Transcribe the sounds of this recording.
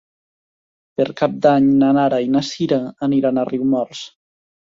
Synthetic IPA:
peɾkap̚d̪aɲnanaɾainasiɾaːniɾanariwmɔɾs

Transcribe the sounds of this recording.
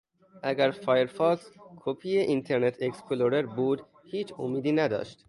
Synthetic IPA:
ʔæɡæɾfɑːjeɾfɒːkskʰopʰijeʔint̪ʰeɾnet̪ʰekspʰloɾeɾbuːd̪ | hiːt͡ʃʰo̰miːd̪iːnæd̪ɒ̰ːʃt̪

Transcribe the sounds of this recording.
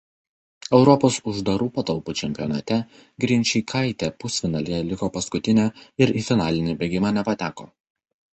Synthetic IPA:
ɛʊɾɔpoːsʊʒd̪ɐɾuːpɐt̪ɐlˠput͡ʃʲɛmʲpʲɪjɔnɑt̪ʲɛ | ɡɾʲɪnʲt͡ʃʲiːkʰɐˑɪt̪ʲeːpʊsʲfʲɪnɑlʲɪjɛlʲɪkoːpɐskʊt̪ʲɪnʲæːɪɾiːfʲɪnɑːlʲɪnʲiːbʲeɡʲɪmɑːnʲɛpɐt̪ʲæːko̰ː

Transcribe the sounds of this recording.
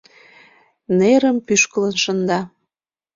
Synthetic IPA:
neɾəmpyʃkələnʃənd̪ɑ

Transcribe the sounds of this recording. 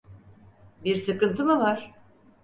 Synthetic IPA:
biɾsɯkɯnt̪ʰɯmɯvaɾ̥

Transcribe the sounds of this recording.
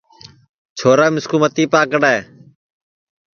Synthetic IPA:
t͡ʃʰoːɾaːmɪskuːmət̪iːpaːkəɽaː

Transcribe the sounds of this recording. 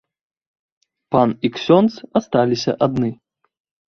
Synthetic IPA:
paniksʲɔnt̪sast̪alʲisʲɐ̰ʔad̪nɨ

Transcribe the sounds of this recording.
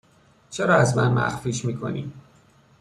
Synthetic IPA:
t͡ʃʰeɾɒːæzmænmæ̰xfiːʃmiːkʰo̞̰nḭːm

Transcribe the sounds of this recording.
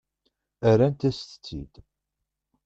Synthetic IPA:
æɾænt̪æst̪ə̥t͡sːḭd̪

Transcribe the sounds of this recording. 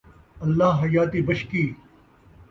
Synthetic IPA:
ɐlːaːɦɦɐjaːt̪iːbɐʃkiː

